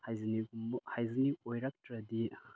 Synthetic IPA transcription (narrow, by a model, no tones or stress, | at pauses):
hajziniɡumhajziniʔojɾɐk̚tɾɐdi